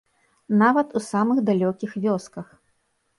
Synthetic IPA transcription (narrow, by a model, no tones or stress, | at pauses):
navɐt̪usamɨɣd̪alʲɔkʲixvʲɔskɐx